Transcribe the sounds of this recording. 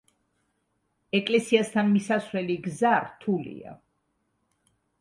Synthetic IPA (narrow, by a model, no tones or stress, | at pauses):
ɛkʼlɛsiast̪ʰanmisasvɾɛliɡzaɾt̪ʰulḭa̰